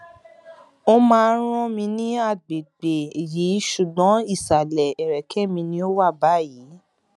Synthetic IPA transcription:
o˦mãː˧ɾ̃ɔ̃˦mĩ˧nĩ˦a˦˨ɡ͡be˨ɡ͡be˨jiː˨˦ʃu˨ɡ͡bɔ̃˨˦i˦˨sa˨lɛ˨ɛ˨ɾɛ˨kʰɛ˦˨mĩ˧nĩ˧o˦wa˦˨ba˦˨ji˨˦

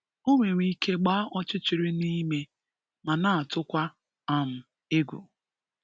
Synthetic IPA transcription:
o˦ŋʷe˨ɾʷi˦ke˦ɡ͡ba˦ʔɔ˦t͡ʃɪ˦t͡ʃɪ˨ɾɪ˦ni˦me˦ | ma˨na˨a˨tʊ˦kʷa˦ | a˨m̩˨ | e˦ɡʷṵ˨

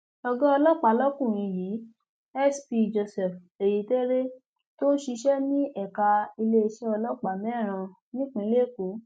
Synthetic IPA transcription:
ɔ˧ɡɔ˦ɔ˧lɔ˦˨k͡pa˨˦lɔ˦kũ˦˨ɾ̃ĩ˧jiː˨˦ | ɛ˦spi˧d͡ʒo˧sɛ˨f | e˨ji˨˦te˦ɾe˦ | to˦ʃi˧ʃɛ˦nĩ˦ɛ˦˨ka˧i˧le˦i˧ʃɛ˦ɔ˧lɔ˦˨k͡pa˨mɛ̃˦˨ɾ̃ã˧ | nĩ˦k͡pĩ˧˦le˦˨ko˨˦

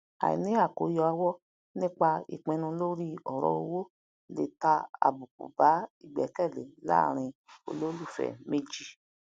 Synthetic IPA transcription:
a̰˨ḭ˨nĩ˦a˦˨ko˨˦jɔ˧a˧wɔ˦ | nĩ˦k͡pa˧ḭ˨k͡pẽ˧nũ˧lo˦ɾi˦ɔ˨ɾɔ̰˨o˧wo˦ | le˦˨ta˧a̰˨bu˨k̚ṵ˨ba˨˦i˦˨ɡ͡bɛ˨˦kɛ˦˨le˨la̰˦˧˨ɾ̃ĩ˧o̰˧lo˦lu˦˨fɛ̰˨me˦d͡ʒi˦

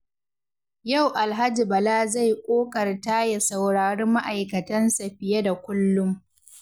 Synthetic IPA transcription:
ja˦˨wʔa˨lɦa˦d͡ʒi˨bɐ˨laː˦za˦˨jkʷʼoː˦kɐ˨rta˦ja˨sa˨wɽaː˨ɽe˦ma˦ʔa˨jkɐ˨tɐ˦nsa˨ɸɪ˨jɐ˦da˨kʷʊ˦lːʊ˦m

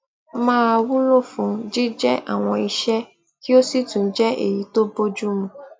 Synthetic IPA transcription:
mãː˦a˧wu˦lo˦˨fũ˨˦d͡ʒi˦d͡ʒɛ˦ʔa̰˦˨w̃ɔ̃˧i˧ʃɛ˦ | ki˦o˦si˦˨tũ˨˦d͡ʒɛ˦ʔḛ˨ji˨˦to˦bo˦d͡ʒu˦mũ˨

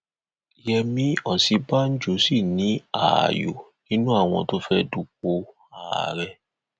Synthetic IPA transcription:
jɛ˧mĩ˧˦ɔ˦˨si˧ba˦n̩˦d͡ʒo˨˦si˦˨nĩ˨˦a̰˨jo̰˨nĩ˦nũ˦a˦˨w̃ɔ̃˧to˦fɛ˦du˨k̚o˧ | aː˨ɾɛ˧

